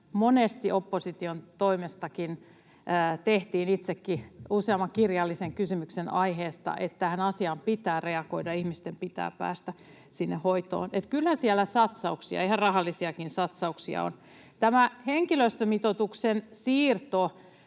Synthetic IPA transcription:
monest̪iʔopːosit̪iont̪oimest̪ɑkinː | t̪eht̪iːnit̪sekːiuseɑmːɑkirjɑlːiseŋkysymyksenɑiɦeːst̪ɑ̰ʔet̪ːæhænɑsiɑmpit̪æːreɑkoidɑihmist̪empit̪æ̰ːpæ̰ːst̪æ | sinːehoit̪o̰ːnet̪kylhæsiælːˑæsɑt̪sɑuksiɑ̰ihɑrrɑhɑlːisiɑkinsɑt̪sɑuksiɑ̰o̰n | t̪æmæheŋkiløst̪ømit̪ot̪uksensiːrt̪o

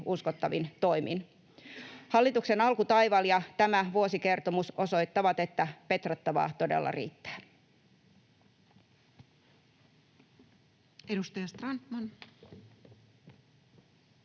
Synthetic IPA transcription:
uskot̪ːɑʋint̪o̞imḭn | hɑlːit̪ukse̞nɑlkut̪ɑjʋɑljɑt̪æmæʋuo̞sike̞rt̪o̞muso̞so̞jt̪ːɑʋɑt̪e̞t̪ːæpe̞t̪rɑt̪ːɑʋɑ̰ːt̪o̞dḛlːɑ̰rḭːt̪ːæ̥ː | edust̪ɑjɑst̪rɑnt̪mɑn

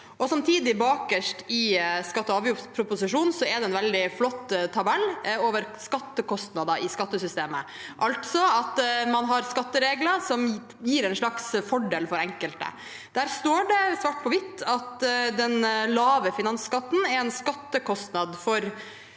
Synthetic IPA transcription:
ʔɔsɑmt̪ʰiːd̪ɪbɑːkəʂʈɪskɑt̪ːɔɑːʋjʊpʰɾʊpʊsɪʂuːnsɔɛd̪ɛnʋɛld̪ɪflɔt̪ːt̪ʰɑbɛlːoːʋəɾskɑt̪ːəkɔst̪nɑd̪ɑʔɪskɑt̪ːəsʏst̪eːmə̰ | ʔɑlt̪sɔɑt̪mɑnɦɑɾskɑt̪ːəɾeːɡləsɔm | jiːɾɛɪnʂɭɑksfɔɖeːlfɔɾɛŋkəlt̪ə̰ | d̪̥æːɾst̪oːɖɛsʋɑːʈ̚pʰɔʋɪt̪ːɑt̪d̪ɛnlɑːʋəfɪnɑnskɑt̪ːn̩ɛɾɛnskɑt̪ːəkʰɔst̪nɑd̪fɔɾ

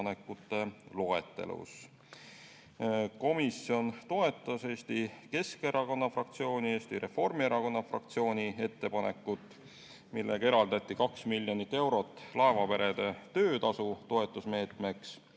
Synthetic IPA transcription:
ne̞kːˑut̪ːˑe̞lo̞e̞̰t̪ːˑe̞̰lṵs | ko̞misjo̞nt̪o̞e̞t̪ːˑɑse̞ːst̪ike̞ske̞ɾɑko̞nːɑfrɑkt̪sio̞ːnʲie̞ːst̪iɾe̞fo̞rmie̞ɾɑko̞nːɑfrɑ̰k̚t̪sio̞ːnʲie̞t̪ːe̞pɑne̞kːˑut̪ːˑ | milːʔḛɡ̥e̞ɾɑld̪ɑt̪ʲːˑikɑksmilʲːjo̞nit̪ːe̞wɾo̞t̪ːˑlɑe̞vɑpe̞ɾe̞d̪̥e̞t̪ø̞ːt̪ɑsut̪o̞e̞t̪ːˑusme̞ːt̪ˑme̞ks

